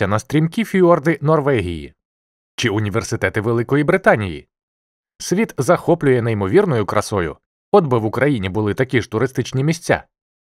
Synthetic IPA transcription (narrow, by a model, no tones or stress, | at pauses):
ɐnɐst̪ʲɾʲimkʲifʲiɔrd̪ɪnɔrʋɛɦʲḭjḭ | t͡ʃɪʊnʲiʋersɪt̪ɛt̪ɪʋelˠɪkɔjibɾɪt̪ɑnʲijḭ | sʲʋʲit̪zɐxɔplʲʊjɛnɐjimɔʋʲirnɔjʊkɾɐsɔjʊ̰ | ɔd̪bɪʋʊkɾɐjinʲibʊlˠɪt̪ɐkʲiʒ̥t̪ʊɾɪst̪ɪt͡ʃnʲimʲisʲt͡sʲa̰